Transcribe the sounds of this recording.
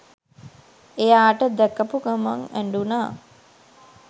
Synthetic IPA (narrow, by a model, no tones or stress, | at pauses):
ejaːʈəd̪ɛkːəpukamaŋæɳɖunaː